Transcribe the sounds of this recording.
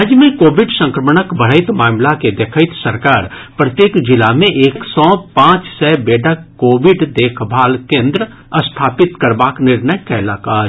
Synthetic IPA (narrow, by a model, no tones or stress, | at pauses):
ad͡ʒjəmẽkoːbɪɖsə̃ŋkɾəməɳəkbəɽ̤əɪt̪maːmlaked̪ekʰaɪt̪səɾkaːɾpɾət̪jeːkd͡ʒɪlamẽʔeːksɔːpãːt͡ʃsɛːbeːɖəkːoːʋɪɖd̪eːkʰbʱaːlkẽːnd̪ɾə | əst̪ʰaːpɪt̪kəɾbaːknɪɾnəjkaɪlaːkaːɾ